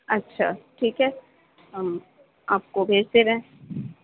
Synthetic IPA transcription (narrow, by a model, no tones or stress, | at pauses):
ɐtːʃʰa̰ːʈʰiːkɦɛ | ɦəm | aːp̚kobʱeːd͡ʒt̪eɾɐɦẽ